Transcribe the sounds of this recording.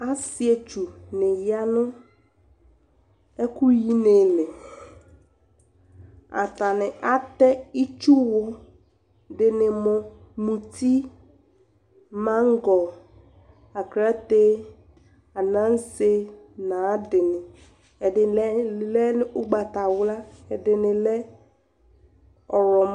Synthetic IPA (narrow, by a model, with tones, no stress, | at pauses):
a˦sɪ˦e˨t͡ʃu˨nɪ̃˨ja˦nʊ̃˦ | ɛ˦ku˦ji˦ne˨lɪ˨ | a̰˨t̪a˨nɪ̃˨ʔa˦t̪ɛ˦i˦t͡ʃu˦wʊ˦ | dɪ˨nɪ̃˨mʊ˨mũ˨ti˦ | mã˦ŋ˦ɡɔ˨ | a˨kɾa˦te˦ | a˨nã˦n˦se˦ | nã˨˦dɪ˨nɪ˨ | ɛ˨ɪ˨˦lɛ˦nɪ˦ʔʊ˦ɡ͡ba˨ta˨wla˦ɛ˨dɪ˨nɪ˨lɛ˦ | ɔ˨ɾɔ˨m